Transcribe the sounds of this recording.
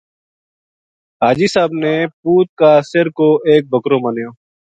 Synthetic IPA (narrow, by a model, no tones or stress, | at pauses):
ɦaːd͡ʒiːsaːbneːpuːt̪̚kaːsɪɾkoːʔeːk̚bʱəkɾõːmənjõː